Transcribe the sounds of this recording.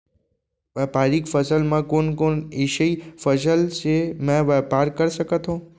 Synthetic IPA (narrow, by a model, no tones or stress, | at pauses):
ʋɛpaɾikfəsəlmãkonkoniʃəifəsəlʃemãʋɛpaɾkəɾʃəkət̪ʰõ